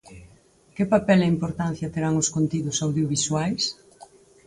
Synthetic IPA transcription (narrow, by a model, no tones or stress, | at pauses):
kɪpapɛlaimpoɾt̪an̟θjɐt̪eɾaŋʊskont̪iðʊsawðjoβiswajs